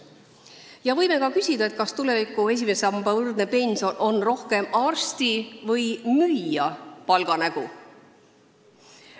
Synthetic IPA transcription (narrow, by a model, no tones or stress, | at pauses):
jɑvɤ̞jme̞kɑkysʲid̪ɑe̞t̪̚kɑst̪ule̞vikːˑue̞s̬ʲime̞sɑmbɑvɯrd̪̚ne̞pe̞nʲso̞nʔo̞nro̞hke̞mɑːrst̪ivɤjmyjjːɑpɑlɡ̥ɑnæɡ̥u